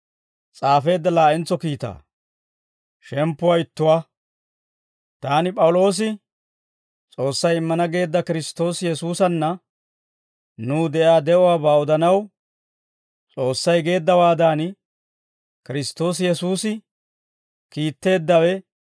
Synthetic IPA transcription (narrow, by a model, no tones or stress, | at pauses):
t͡sʼaːfe̞ːd̪ːɐlaːʔɪnt͡sːɔkiːt̪a̰ː | ʃɛmpːʊwajɪt̪ːʊwa | t̪aːnɪpʼɐwʊlo̞ːs̬ɪ | t͡sʼo̞ːsːɐjɪmːɐnɐɡe̞ːd̪ːɐkɪɾɪst̪ːo̞ːsjɛsuːsɐnːɐ | nuːd̪ɛʔaːd̪ɛʔʊwaːbaːɔd̪ɐnɐw | t͡sʼo̞ːsːɐjɡe̞ːd̪ːɐwaːd̪aːn | kɪɾɪst̪ːo̞ːs̬jɛsuːsɪ | kiːt̪ːe̞ːd̪ːɐwɛ